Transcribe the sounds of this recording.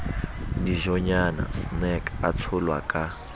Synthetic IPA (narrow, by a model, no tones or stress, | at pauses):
ndiʒɔɲana̰snɛkʰʼat͡sʰulwa̰kʼa